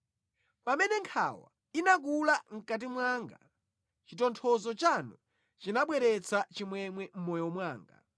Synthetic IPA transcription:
pamɛnɛŋkʰa̰wa̰ | inak̬ulaŋ̩kat̬imwaːŋɡa | t͡ʃitɔntʰɔzɔt͡ʃanu | t͡ʃinaɓwɛɾɛt͡sʰat͡ʃimwɛmwɛm̩mɔjɔmwaːŋɡa̰

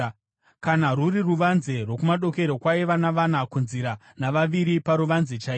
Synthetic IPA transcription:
kanaruriruʋanze̞rwo̞kumaɗo̞ke̞ɾokwaeʋanaʋanakunziɾa | naʋaʋiɾipaɾuʋanzet͡ʃaiː

